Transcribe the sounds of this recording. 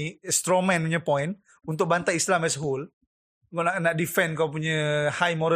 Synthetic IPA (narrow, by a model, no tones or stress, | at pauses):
st̪ɾɔmɛ̃npuɲapɔin | unt̪ʊk̚bant̪aislamɛsɦul | ɡɔʔnaʔnaʔdifɛnkawp̬uɲəhajmɔɾə